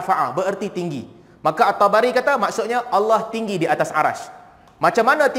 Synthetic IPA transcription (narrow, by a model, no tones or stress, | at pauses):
faʔa̰bəərt̪it̪iŋɡḭ | makaat̪ːɔbaɾikat̪amaksʊt̪̚ɲaʔalːɔht̪iŋɡidiat̪asʔa̰ɾa̰s | mat͡ʃamːanãt̪